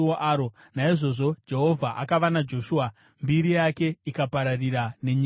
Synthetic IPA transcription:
oʔaːɾo | naiʐo̞ʐo̞d͡ʒe̞ɦo̞vʱaʔakaʋanad͡ʒo̞ʃua | mbiɾijake̞ikapaɾariɾane̞ɲi

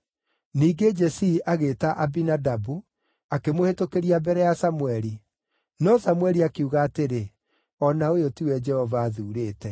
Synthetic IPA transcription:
niːɡed͡ʒɛsiːʔaɣeːtaʔabinadabu | akemohetokeɾiabɛɾɛjasamuwɛɾi | nɔsamwɛɾiakeuɣaːteɾe | ɔnaojotiwɛd͡ʒɛhɔvaːðuːɾeːtɛ

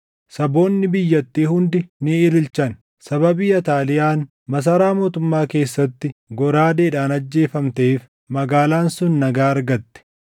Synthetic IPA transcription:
sɐbo̞ːnːɪbɪjːɐt̪ːiːhʊnd̪ɪnɪɪlɪlt͡ʃɐn | sɐbɐbiːɐt̪aːlɪjaːn | mɐs̬ɐɾaːmo̞ːt̪ʊmːaːke̞ːsːɐt̪ːɪɡɔɾaːd̪eːᶑaːnɐd͡ʒːe̞ːfɐmt̪eːf | mɐɡaːlaːnsʊnːɐɡaːɐɾɡɐt̪ːɛ̥

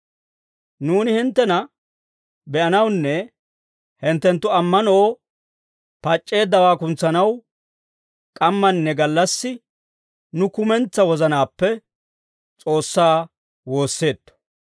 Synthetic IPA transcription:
nuːnɪhɪnt̪ːɛnɐ | bɛʔɐnɐwnːɛ | hɪnt̪ːɛnt̪ːʊɐmːɐnoː | pɐt͡ʃʼːe̞ːd̪ːɐwaːkʊnt͡sːɐnɐw | kʼɐmːɐnːɛɡɐlːɐsːɪ | nʊkʊmɛnt͡sːɐwɔzɐnaːpːɛ | t͡sʼo̞ːsːaː | wo̞ːsːe̞ːd̪ːɔ̥

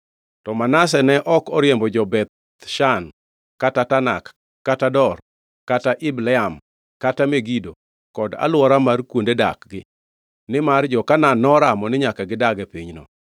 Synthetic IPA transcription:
tɔmanas̬ɛnɛʔɔkɔɾjembɔd͡ʒɔbɛt̪̚ | ʃan | katatana̰kː | atadɔr | kataʔɪblɛam | katameɡido | kɔda̰lwɔɾamarkwondeda̰kɡɪ | nɪmard͡ʒɔkananɔɾamɔnɪɲakaɡɪdaɡɛpiɲnɔ̰

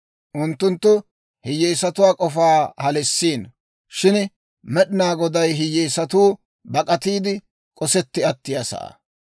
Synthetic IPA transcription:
ʔʊnt̪ːʊnt̪ːʊ | hɪjːɛjsɐt̪ʊwaːkʼɔfaːhɐlɛsːiːn | ʃɪn | mɛɗɪnaːɡɔd̪ɐjɦɪjːɛːsɐt̪uː | bɐkʼɐt̪iːd̪ɪ | kʼɔsɛt̪ːɪɐt̪ːɪjɐsɐ̰ʔ

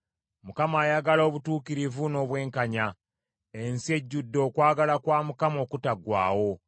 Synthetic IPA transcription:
mukamaːjaɡalo̞ːβutuːkiɾivuno̞ːβwe̞ːŋkaɲa | e̞nsie̞ɟːudːo̞ːkwaːɡalakwaːmukamo̞ːkutaɡwa̰ːwo̞

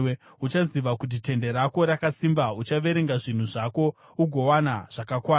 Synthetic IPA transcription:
ut͡ʃaziʋakut̬ite̞nde̞ɾako̞ɾakasimbaut͡ʃaʋe̞ɾe̞ŋɡaʐin̤uʐako̞ | uɡʱo̞wanaʐ̥akakwaː

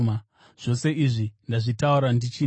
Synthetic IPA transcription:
a | ʐ̥o̞se̞ʔiʐindaʐitauɾandit͡ʃi

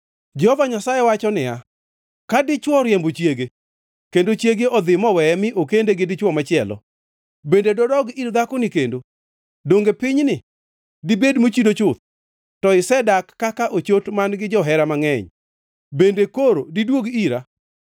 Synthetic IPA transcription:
d͡ʒɛhɔvaɲasajewat͡ʃɔnɪa | kadɪt͡ʃwɔɾjɛmbot͡ʃjeɡe | kendot͡ʃjeɡeɔd̪ɪmɔwɛɛmɪʔokendeɡɪdɪt͡ʃwɔmat͡ʃɪɛlɔ̰ | bendedɔdɔɡiɾd̪akonɪkendo | doŋɡepɪɲnɪ | dibedmot͡ʃidot͡ʃʊt̪̚ | tɔɪsɛdakːakaʔot͡ʃotmanɡɪd͡ʒɔɦɛɾamaŋɛɲ | bendekoɾodidwoɡiɾa

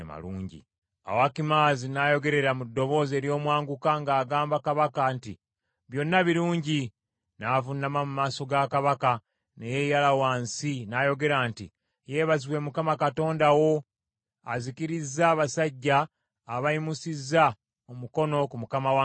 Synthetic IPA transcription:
ma̰lṵːɲɟḭ | a̰wakimaːzinajo̞ɡe̞ɾe̞ɾamudːo̞βo̞ːze̞ːɾjo̞ːmwaːŋɡukaŋɡaːɡaːmbakaβakaːnti | βjo̞nːaβiɾuːɲɟi | navunːamamumaːso̞ɡakaβaka | neje̞jalawaːnsinajo̞ɡe̞ɾaːntḭ | jeːβaziβwe̞mukamakato̞ːndawo̞ | azikiɾizːaːβasaɟːaː | βaimusizːa | omuko̞no̞kumukamawa

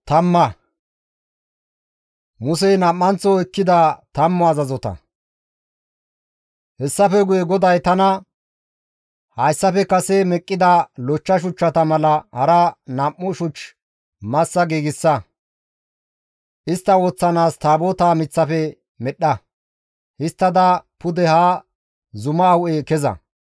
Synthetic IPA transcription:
t̪ɐmːɐ | mʊsɛjnɐmːɐnt͡sːɔɛkːɪd̪ɐt̪ɐmːɔɐzɐzɔt̪ɐ̰ | hɛsːɐfɛɡʊjɛɡɔd̪ɐjt̪ɐnɐ | hɐjsːɐpɛkɐsɛmɛkʼːɪd̪ɐlɔt͡ʃːɐʃ̬ʊt͡ʃːɐt̪ɐmɐlɐhɐɾɐnɐmːʊʃʊt͡ʃː | mɐsːɐɡiːɡɪsːɐ | ʔɪst̪ːɐwɔt͡sːɐnaːst̪aːboːt̪aːmɪt͡sːɐfɛ | mɛɗɐ | hɪst̪ːɐd̪ɐpʊd̪ɛhaː | zʊmɐːwʔekɛzɐ̰

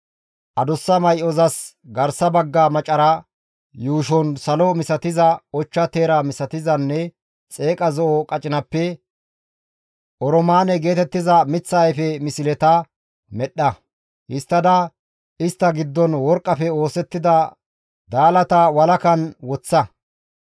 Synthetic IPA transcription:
ʔɐd̪ɔsːɐmɐjʔɔzɐs | ɡɐɾsɐbɐɡːamɐt͡ʃʼɐɾɐ | juːʃɔnsɐlɔmɪsɐt̪ɪzɐɔt͡ʃːɐt̪eːɾɐmɪsɐt̪ɪzɐnːɛ | t͡sʼe̞ːkʼɐzɔʔɔkʼɐt͡ʃʼɪnɐpːɛ | ʔɔɾɔmaːnɛɡe̞ːt̪ɛt̪ːɪzɐmɪt͡sːɐjfɛmɪsɪlɛt̪ɐ | mɛɗːɐ | hɪst̪ːɐd̪ɐ | ɪst̪ːɐɡɪd̪ːɔnwɔɾkʼːɐfɛo̞ːsɛt̪ːɪd̪ɐ | d̪aːlɐt̪ɐwɐlɐkɐnwɔt͡sːɐ

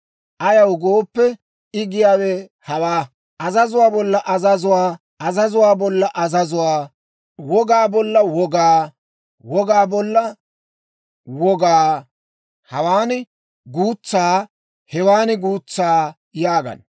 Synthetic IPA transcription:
ʔɐjɐwɡoːpːɛ | ɪɡɪjaːwɛhɐwaː | ʔɐzɐzʊwaːbɔlːɐʔɐzɐzʊwaː | ɐzɐzʊwaːbɔlːɐʔɐzɐzʊwaː | wɔɡaːbɔlːɐwɔɡaː | wɔɡaːbɔlːɐ | wɔɡaː | hɐwaːnɪ | ɡuːt͡sːaː | hɛwaːnɪɡuːt͡sːaː | jaːɡɐ̰n

